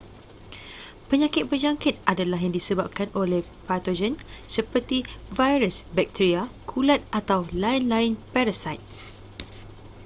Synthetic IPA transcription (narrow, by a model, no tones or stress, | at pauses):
pəɲãkɪt̪̚bəd͡ʒaŋkɪt̪̚ʔadalaɦjaŋdisəbap̚kanʔoleh | pat̪od͡ʒənsəpərt̪ivajɾəsbɛk̚t̪iɾiakʰulat̪̚ʔat̪awlaɪnlaɪnpɛɾasajt̪̚